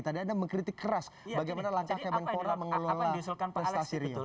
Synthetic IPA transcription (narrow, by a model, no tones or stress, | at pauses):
t̪adiandaməŋkɾit̪ikːəɾasbaɡajmanalaŋkahkajmanpoɾaməŋəlolapɾɛst̪asiɾia